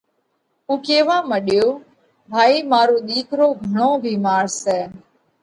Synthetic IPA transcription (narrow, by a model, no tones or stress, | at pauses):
uːkeːʋãːməɗjoː | bʱaːiːmaːɾoːɗ̪iːkʰɾoːɡʱəɳõːbʱiːmaːɾsɛː